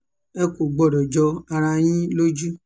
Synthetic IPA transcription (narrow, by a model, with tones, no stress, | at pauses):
ɛ˦ko˨ɡ͡bɔ˨ɾɔ˨d͡ʒɔ˧a˧ɾa˧j̃ĩ˦lo˦d͡ʒu˦